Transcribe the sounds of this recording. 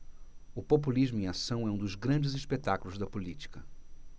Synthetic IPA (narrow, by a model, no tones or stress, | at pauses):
ʊpop̬uliʒmʊĩasɐ̃w̃ɛũd̪ʊzɡɾɐ̃d͡ʒɪziʃpet̪akulʊzd̪ɐpulit͡ʃi̥kɐ